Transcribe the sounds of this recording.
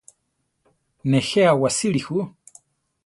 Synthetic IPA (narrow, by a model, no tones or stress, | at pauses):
nɛhɛawasilihu